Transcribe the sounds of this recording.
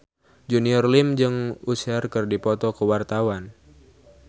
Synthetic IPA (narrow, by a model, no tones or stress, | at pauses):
d͡ʒuniɔrlimd͡ʒɨŋusɛrkɨrdipɔt̪ɔkəwart̪awan